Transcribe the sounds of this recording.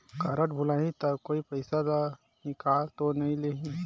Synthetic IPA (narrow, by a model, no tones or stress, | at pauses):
kɐɾəʈ̚bʱʊlaːɦĩt̪ɐkoːipɐɪsad̪a | nɪkaːlt̪onɐɦĩleɦĩ